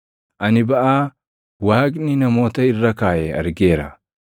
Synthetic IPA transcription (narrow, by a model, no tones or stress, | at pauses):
ʔɐnɪbɐʔaː | waːkʼnɪnɐmo̞ːt̪ɐɪrːɐkaːʔɛɐ̰ɾɡe̞ːɾɐ̰